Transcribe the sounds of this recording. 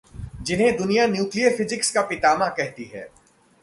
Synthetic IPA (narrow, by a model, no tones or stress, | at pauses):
d͡ʒɪnɦẽd̪ʊnijanjuːkliəɾfɪzɪkskapɪt̪aːmãkɛɦt̪iɦɛ̰ː